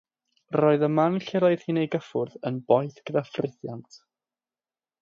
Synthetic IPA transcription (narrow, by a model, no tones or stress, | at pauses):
rɔːɨðəmanɬɛɾɔɨð̥hinejɡəfʊrðənbɔjθɡ̥əðafrɪθja̰ntʰ